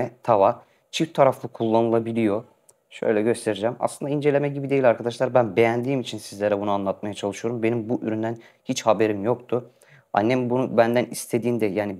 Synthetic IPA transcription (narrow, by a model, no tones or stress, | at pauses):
ɛt̪ʰava | t͡ʃʰift̪ʰaɾaflˠɯkʰulˠːanɯlˠabilʲijo̞ | ʃø̰jlʲɛɟø̞st̪ʰe̞ɾid͡ʒæma̰slɯnd̪aind͡ʒelʲe̞mɛɟibid̪e̞jilʲaɾkʰad̪aʃlˠaɾbænbe̞jænd̪iːmit͡ʃʰinsizlʲeɾɛbunuanlˠat̪̚majat͡ʃʰalˠɯʃɯjo̞ɾumbe̞nimbuʔyɾynd̪æn | hit͡ʃhabe̞ɾimjo̞kt̪ʰu | a̰nːɛmbunubænd̪ænist̪ʰe̞d̪iːnd̪ɛjaːni